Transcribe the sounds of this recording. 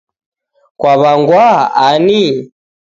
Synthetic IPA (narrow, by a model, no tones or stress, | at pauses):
kwaβaŋɡwaani